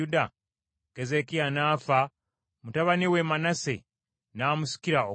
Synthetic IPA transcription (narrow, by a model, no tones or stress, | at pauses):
uda | kezekianaːfa | mutaβaniwemanasḛ | naːmusi̥kiɾao